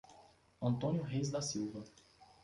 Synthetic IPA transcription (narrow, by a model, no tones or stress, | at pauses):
ɐ̃nt̪õnjʊɦejzd̪ɐsiwvɐ